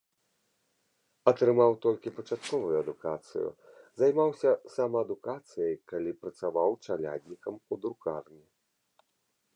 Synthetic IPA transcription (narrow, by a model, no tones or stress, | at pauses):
ɐt̪ɾɨmawt̪ɔlʲkʲipɐt͡ʂat̪kɔvujuɐd̪ukat̪sɨ̰jṵ | zajmawsʲɐsamɐɐd̪ukat̪sɨjɐjkalʲipɾɐt̪savawt͡ʂalʲa̰d̪ʲnʲikɐmud̪ɾukarnʲɛ